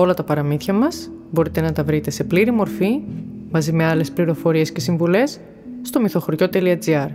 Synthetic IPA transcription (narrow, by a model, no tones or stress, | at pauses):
o̞lɐt̪ɐpɐɾɐmiθçɐmɐsbo̞ɾit̪e̞nɐt̪ɐvɾit̪e̞se̞pliɾimo̞ɾfimɐzime̞ɐle̞spliɾo̞fo̞ɾie̞sce̞siɱvule̞sː | t̪o̞miθo̞xoɾʝo̞t̪e̞liɐd͡ziɐɾ